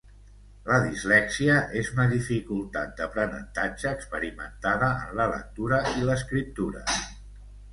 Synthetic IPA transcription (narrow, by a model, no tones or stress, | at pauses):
ləðizlɛksiəʔezunəðifikulˠt̪a̰t̪̚d̪əpɾənə̰nt̪ad͡ʒəːkspəɾimə̰nt̪aðəə̰nlələ̰k̚t̪uɾəiləskɾip̚t̪uɾə̰